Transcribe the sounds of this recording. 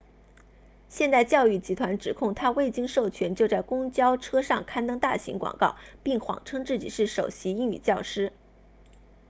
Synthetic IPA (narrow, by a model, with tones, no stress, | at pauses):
ɕjɛ˥˧nt̪a˥˧ɪt͡ɕjɑ˥˧ʊy˥˩t͡ɕi˧˥t̪ʰwa˧˥nʈ͡ʂɻ̩˨˩kʰʊ˥˩ŋt̪ʰa˥we˥˩ɪt͡ɕi˥ŋʂo˥˩ʊt͡ɕʰɥɛ˧˥nt͡ɕjo˥˧ʊt͡sa˥˩ɪkʊ˥ŋt͡ɕjɑ˥ʊʈ͡ʂʰɤ˥ʂɑ˥˩ŋkʰa˥nt̪ɤ˥ŋt̪a˥˩ɕḭ˧˥ŋkwɑ̰˨˩ŋkɑ˥˩ʊpi˥˩ŋxwɑ̰˨˩ŋʈ͡ʂʰɤ˥ŋt͡sɹ̩˥˩t͡ɕḭ˨˩ʂɻ̩˥˩ʂo˨˩ʊɕi˧˥i˥˧ŋy̰˨˩t͡ɕjɑ˥˩ʊʂɻ̩˥